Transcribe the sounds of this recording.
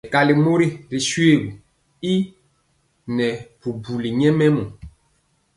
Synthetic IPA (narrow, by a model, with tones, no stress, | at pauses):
ɛ˨ka˨li˨mu˦ɾi˦ɾi˨swe˦˨ɡu˨ | i˦ | nɛ˨pu˨bu˨li˨ɲɛ˦mɛ˦mu˨